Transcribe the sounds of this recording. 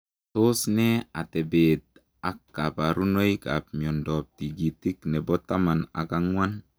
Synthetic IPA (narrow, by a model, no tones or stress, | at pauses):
sosnɛatɛbet̪̚ | akːapaɾunojkap̚mɔndɔp̚tiɡitiknɛbɔt̪amana̰kaŋwan